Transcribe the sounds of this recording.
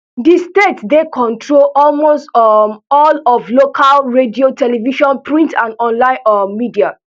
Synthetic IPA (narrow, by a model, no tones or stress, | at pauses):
distetsdekʰɔ̃ntʰɹolɔlmostɔmɔlɔvlokʰalɹediotʰɛlɛviʃɔ̃npɹĩntãnɔ̃nlãɪ̃nɔmidia